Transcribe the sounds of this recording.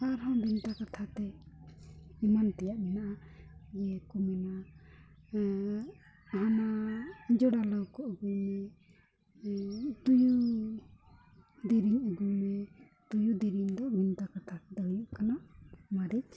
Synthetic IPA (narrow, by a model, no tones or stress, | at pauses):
aɾɦɔ̃bʱint̪akat̪ʰat̪ɛ | imant̪ɛjaʔmɛnaʔajɛkumɛna | ɦanaid͡ʒɔɽalɔwkɔʔəɡujmɛ | t̪uju | d̪iɾiɲəɡujmɛ | t̪ujud̪iɾiɲd̪ɔbʱint̪akat̪ʰat̪ɛd̪ajuʔkanamaɾit